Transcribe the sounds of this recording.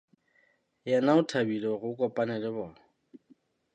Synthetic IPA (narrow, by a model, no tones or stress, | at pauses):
jɛnaʊtʰabilɔɣʊkʼɔpʼanɛlɪbɔː